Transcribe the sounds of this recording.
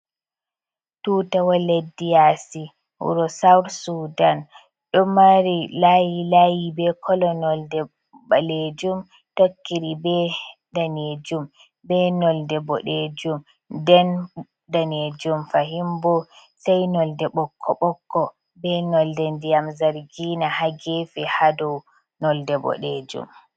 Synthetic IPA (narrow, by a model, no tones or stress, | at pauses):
tuːtawɔledːijasḭ | ɾɔsawɾsudan | ɗɔmaɾilajilajibɛkʰɔlɔnɔldɛ | baled͡ʒum | tokːiɾibɛdaned͡ʒum | bɛnɔldɛbɔ̰ɗed͡ʒum | dɛn | daned͡ʒumfaɦimbɔ | sajnɔldɛɓɔkʰːɔɓɔkːɔ | bɛnɔldɛndijamzaɾɡinahaɡeːfihadɔw | nɔldɛbɔ̰ɗed͡ʒṵm